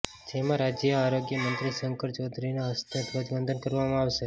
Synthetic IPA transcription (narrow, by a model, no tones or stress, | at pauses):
d͡ʒemãɾad͡ʒjəaɾoɡjəmənt̪ɾisəŋkəɾt͡ʃɔd̪ʱɾinaɦəst̪ʰet̪ʋəd͡ʒ̪ɡənd̪ʱənkəɾʋamãaʋʃe